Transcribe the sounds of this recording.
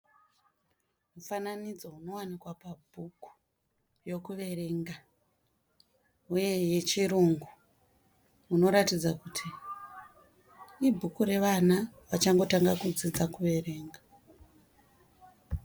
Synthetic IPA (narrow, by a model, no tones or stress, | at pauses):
mufananid͡zo̞uno̞wanikwapabʱuku̥ | jo̞kuʋe̞re̞ːŋɡa | uje̞je̞t͡ʃiruŋɡu | uno̞ɾatid͡zakutʰi | ibʱukuɾe̞ʋanaʋat͡ʃaŋɡo̞taŋɡakud͡zid͡zakuʋe̞re̞ːŋɡa